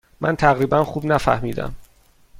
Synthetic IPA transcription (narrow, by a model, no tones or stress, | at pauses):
mʔæ̰nt̪ʰæɣɾiːbænxuːbnæfæ̰hmiːd̪æ̰m